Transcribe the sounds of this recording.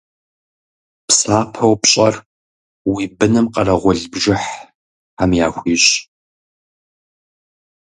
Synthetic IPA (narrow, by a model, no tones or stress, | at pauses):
psaːpʰɐwpɕʼɐr | wiːbɨnɨmqɐrɐʁʷɔɮbʒɪħ | aːmja̰ːxʷiːɕ